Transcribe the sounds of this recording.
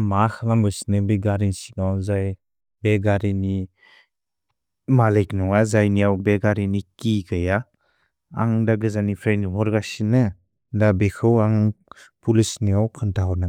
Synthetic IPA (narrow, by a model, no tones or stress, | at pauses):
maxʰɯlambɯsi̥nɯbeɡaɾinsinɔzaj | beɡaɾini | malejknɔŋazajnijawbeɡaɾinikiɡɯja | a̰ŋdaɡɯzanipʰɾendmɔɾɡasinɯ | dabekʰɯwaŋpulisniawkʰɯntʰaɦɔnɯ